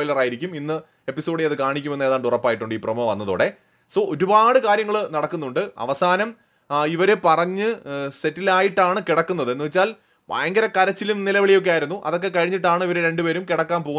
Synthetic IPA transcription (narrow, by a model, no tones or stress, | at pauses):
jlɐraːjiɾikʲːuminːɨ | e̞pːiso̞ːɽɨjɐðɨkaːɳikʲːumenːeːðaːɳɖurɐpːaːjiʈːuɳɖɨiːprɐmoʋɐnːɐðo̰ːɽe̞ | soːʔo̞ɾubaːɽɨkaːɾjɐŋːɐɭnɐɽɐkːunːuɳɖɨɐ̰ʋɐsaːnɐm | iʋɐɾepɐrɐɲːɨse̞tːilaːjiʈːaːɳɨkiɽɐkːunːɐðɨenːɨʋet͡ɕːaːl | bʱa̰ːjɐŋɡɐɾɐkɐɾɐt͡ɕːilumnilɐʋiɭijo̞k̬ːeaːjiɾunːuʔɐ̰ðo̞kːe̞kɐɻiɲːiʈːaːɳɨiʋɐɾeɾe̞ɳɖupe̞ːɾumkiɽɐkːaːmpo̞ː